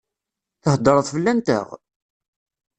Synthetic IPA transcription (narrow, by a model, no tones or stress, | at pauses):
θəhd̪ˤəɾˤəðˤfəlːænt̪ə̰ʁ